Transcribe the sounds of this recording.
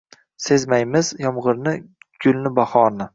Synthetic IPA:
se̞zmajmɪzjɒmʁɨɾnɪɡ̥ʊlnɪbaχɒɾnɪ

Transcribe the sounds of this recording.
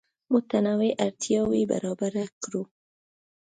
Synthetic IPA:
mʊt̪anaweʔaɾt̪jɑwiba̰ɾɑbaɾakɾu

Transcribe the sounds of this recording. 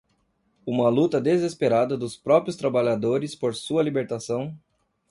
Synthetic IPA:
ũmɐlut̪ɐd̪ezespeɾad̪ɐd̪ʊspɾɔpɾiʊst̪ɾabaʎad̪oɾɪspoɾsuɐlibeɾt̪asɐ̃w̃

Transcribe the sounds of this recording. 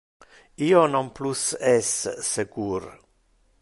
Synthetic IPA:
iːonɔmplusɛsːeɡuːɾ

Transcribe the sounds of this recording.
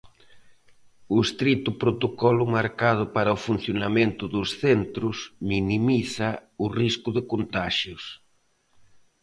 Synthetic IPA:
ʊest̪ɾit̪ʊpɾot̪okɔlʊmaɾkað̞ʊpaɾɐofun̟θjonamẽnt̪ʊðʊsθent̪ɾʊsminimiθaʊriskʊðɪkont̪aʃjʊs

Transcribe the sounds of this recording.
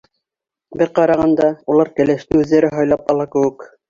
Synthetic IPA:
bɘɾqɑɾɑʁɑnd̪ɑulˠɑɾkæ̆læʃt̪ɘʉðːæɾɘɦɑjlˠɑpɑlˠɑkɘ̆wɘk

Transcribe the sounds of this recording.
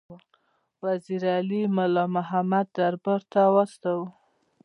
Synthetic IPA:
waziɾalimʊlɑmʊɦamad̪ːaɾbaɾt̪awast̪awu

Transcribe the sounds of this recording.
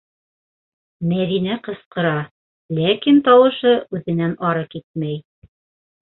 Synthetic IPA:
mæðinæqɤ̆sqɤ̆ɾɑ | lækint̪ɑwɤ̆ʃɤʔʉðɘ̆nænɑɾɤkit̪̚mæj

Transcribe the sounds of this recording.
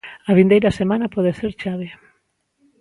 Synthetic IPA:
ɐβind̪ejɾɐsemanɐpɔðeseɾt͡ʃaβe

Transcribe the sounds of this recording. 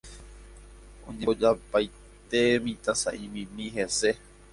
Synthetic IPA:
õ̰ɲẽod͡ʒapaj | t̪emĩt̪asa̰ʔĩmĩmĩɦese

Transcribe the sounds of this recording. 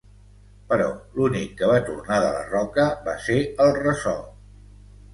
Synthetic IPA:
pəɾɔlunikːəβat̪urnaðə̰lə̰rɔkəbaseəlˠrəsɔ

